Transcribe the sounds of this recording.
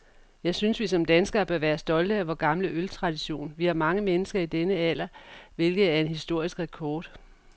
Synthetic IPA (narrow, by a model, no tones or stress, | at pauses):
jɑ̈ɪsynsʋis̬ɒ̽md̥ænsɡ̥ɐːb̥ɶɐʋæːɐsd̥ɒ̽ld̥əæʋɒɡ̥ɑ̈mləʔølt͡sʰʁɑ̈d̥iɕo̝̰ːnʋihɑ̈mɑ̈ŋəmenəsɡ̥ɐid̥enəæl̰ɐʋe̝lɡ̥ð̩ˠæɐe̝nɦisd̥o̝ɐ̰isɡ̥ʁɛkʰɒːd̥